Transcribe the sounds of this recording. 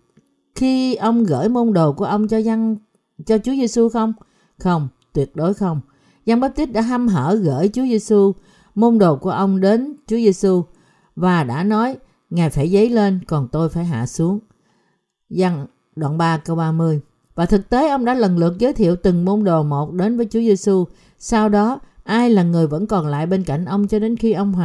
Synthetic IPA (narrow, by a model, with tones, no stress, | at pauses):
xi˧ʔə˧wŋ͡mɣə̰ː˧˥˩jmo˧nɗo˨˩ku˧˩əʔə˧wŋ͡mt͡ɕɔ˧za˧ŋ | t͡ɕɔ˧t͡ɕu˨˦əze˧su˧xə˧wŋ͡m | xə˧wŋ͡mt̪wi˨˩ət̚ɗo˨˦jxə˧wŋ͡m | za˧ŋɓə˦˥t̪i˦˥t̚ɗa̰ː˧˥ɦa˧mɦəː˧˩ɣə̰ː˧˥˨jt͡ɕu˨˦əze˧su˧ | mo˧nɗo˨˩ku˧˩əʔə˧wŋ͡mɗe˨˦nt͡ɕu˨˦əze˧su˧ | vaː˨˩ɗa̰ː˧˥nɔ˨˦j | ŋaː˨˩jfaː˧˩jzə˨˦jle˧nkɔ˨˩nt̪o˧jfaː˧˩jɦa̰ː˧˨su˨˦əŋ | za˧ŋ | ɗa̰ː˧˨nɓaː˧kə˧wɓaː˧mɨ˧əj | vaː˨˩t̪ʰɨ˨˩k̚t̪e˨˦ʔə˧wŋ͡mɗa̰ː˧˥lə˨˩nlɨ̰˨˩ək̚zəː˨˦jt̪ʰḭ˧˨əwt̪ɨ˨˩ŋmo˧nɗo˨˩mo˨˩t̚ɗe˨˦nvəː˨˦jt͡ɕu˨˦ze˧su˧ | saː˧wɗɔ˨˦ʔaː˧jlaː˨˩ŋɨ˨˩əjvə̰˧˥nkɔ˨˩nla̰ː˧˨jɓe˧nka̰˧˩jŋ̟ʔə˧wŋ͡mt͡ɕɔ˧ɗe˨˦nxi˧ʔə˧wŋ͡mɦa˨